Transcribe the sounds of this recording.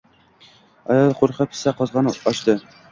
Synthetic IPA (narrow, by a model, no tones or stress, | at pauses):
ɒ̰jɑlˠquɾqɑpɘ̥̆sæqɒzʁɑnɒɕt̪ɤ